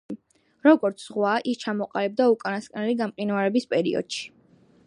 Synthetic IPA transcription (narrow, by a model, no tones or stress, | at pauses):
ɾɔɡɔɾt̪sʰz̥ʁwaʔist͡ʃʰamɔqʼalɛb̚d̪aukʼanaskʼnɛliɡamqʼinaɾɛbispʼɛɾḭɔ̰d̪̥ʃi̥